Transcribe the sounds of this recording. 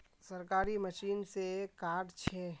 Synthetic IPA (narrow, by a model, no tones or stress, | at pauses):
səɾkaːɾiməʃiːnsekaːɖt͡ʃʰɛ